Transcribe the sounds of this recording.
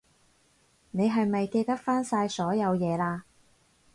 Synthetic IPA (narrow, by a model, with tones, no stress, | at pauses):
ne˨˧jɦɐ˨jmɐ˨jke˧jt̪ɐ˥k̚faː˥nsaː˧jsɔː˨˥jɐ˨˧wjɛː˨˧laː˧